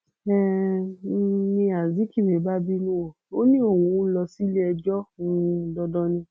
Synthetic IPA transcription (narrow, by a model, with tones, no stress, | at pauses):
ɛ˦˨˦ | nĩ˧a˨zi˨˦ki˦˨me˨˦ba˦bi˦nũ˦o˨o˦nĩ˦o˦˨wũ˨˧˦lɔ˧si˦le˦ɛ˧d͡ʒɔ˦ũ˦˧˦dɔ˧˦dɔ˧nĩ˧